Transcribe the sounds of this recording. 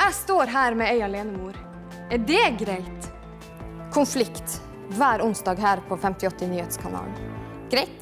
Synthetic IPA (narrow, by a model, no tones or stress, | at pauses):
æɪst̪oːɾɦæːɾmɛæɪɑleːnəmuːɾ | ɛɖɛɡɾæɪt̪ | kʰʊnflɪkt̪ | ʋæːɾʊnsd̪ɑːɡɦæːɾpʰoːfɛmt̪ɪɔt̪ːənyːheːt̪skʰɑnɑ̰ːln | ɡ̥ɾɛɪt̪